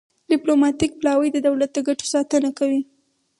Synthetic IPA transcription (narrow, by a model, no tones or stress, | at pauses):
ɖiplomɑt̪ik̚plɑwəjd̪əd̪awlat̪̚d̪əɡaʈo̥sɑt̪ənakawi